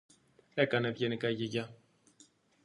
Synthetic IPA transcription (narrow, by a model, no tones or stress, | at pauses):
e̞kɐne̞ðʝenikɐʝeʝɐ